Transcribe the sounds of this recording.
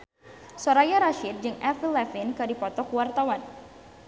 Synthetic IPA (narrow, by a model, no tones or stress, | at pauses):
soɾajaɾaʃɪt̪̚d͡ʒɨŋɛfilɛfɪnkɨdipɔt̪ɔkuwart̪awan